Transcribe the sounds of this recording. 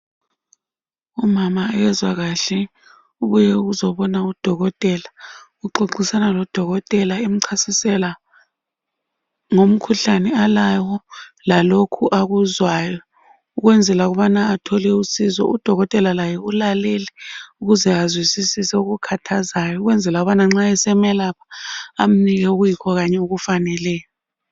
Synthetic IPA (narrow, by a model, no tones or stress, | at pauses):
umamajɛzwaɣaɬɛ | uβujɛuɣuzɔβɔnaud̥ʱɔɣɔtʼɛlaɣuǃoǃisanalɔd̥ʱɔɣɔtʼɛlaem̩ǀʰasisɛla | ŋom̩kʰuɬanɛalawɔlalokʰuʔaɣuzwajɔ | uɣ̬wɛnd͡zʱɛlaɣ̬uɓanaːtʰɔlɛusizɔ̰ʔṵd̥ʱɔɣɔtʼɛlalajɛulalɛlɛuɣuzɛazwisisisɛuɣ̬ukʰatʰazajɔuɣ̬wɛnd͡zʱɛlak̬uɓanaŋ͡ǁaɛsɛmɛlapʰḁam̩niɣ̬ɛuk̬ɣujikʰɔɣ̬aɲɛuɣ̬ufanɛlɛːjɔ